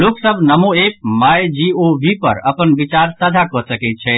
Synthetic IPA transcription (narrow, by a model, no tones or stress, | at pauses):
loksəbʱnəmoep̚majd͡ʒiobʱipə̰ɾə̰pənbit͡ʃaɾsəd͡ʒʱakɔsəkɛt̪̚t͡ʃʰɛ